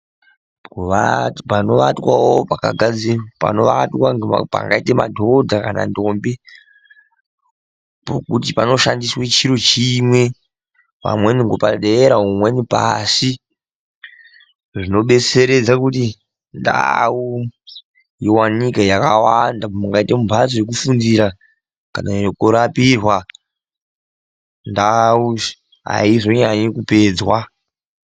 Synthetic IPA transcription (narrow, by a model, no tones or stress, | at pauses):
apano̞ʋatwawopaka̰ɡʱad͡zipa̰no̞ʋatwaŋɡea̰pa̰ŋɡaitema̰dʱo̞dʱakana̰ndo̞mbi | po̰kutipano̞ʃandiswet͡ʃiɾot͡ʃimwe̞ | pa̰mweniŋɡopaɗeeɾaumwenipa̰si | ʐino̞ɓe̞t͡se̞ɾe̞d͡zakuti | nda̰u | jiwanikejakawandamuŋɡaitemumbʱat͡soje̞k̬ufundiɾa | kanajokuɾapirwa | ndau | ɦa̰izoɲaɲekupe̞ːd͡zwa